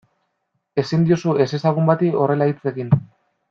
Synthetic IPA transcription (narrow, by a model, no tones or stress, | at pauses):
e̞sind̪iosue̞se̞saɣ̞umbat̪io̞re̞lait͡se̞kin